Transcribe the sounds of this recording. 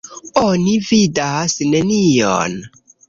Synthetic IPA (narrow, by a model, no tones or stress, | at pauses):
onividasnenijo̰n